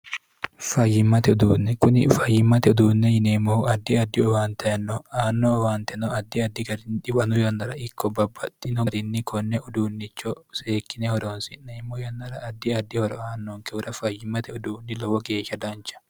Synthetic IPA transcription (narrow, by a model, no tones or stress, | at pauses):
fɐjːɪmːɐt̪ɛɔd̪uːnːɛkʊnɪfɐjːɪmːɐt̪ɛɔd̪uːnːɛjɪnemoɐd̪ːɪɐd̪ːɪɔwaːnt̪ʰɐjɐnːɔaːnːɔɔwaːnt̪ɛnɔɐd̪ːɪɐd̪ːɪɡɐɾɪnᶑɪwɐnʊjɐnːɐɾɐɪkʰːɔbɐbːɐt̪ːɪnɔɾɪnːɪkʰɔnːɛɔd̪uːnːɪt͡ʃːɔseːkːɪnɛhɔɾoːnsɪnnːɛɪmːojɐnːɐɾɐːd̪ːɪɐd̪ːɪhɔɾɔaːnːoŋkɛʊɾɐfɐjɪmːɐt̪ɛʊd̪uːnːɪlɔwɔɡe̞ːʃːɐd̪ɐnt͡ʃːɐ̥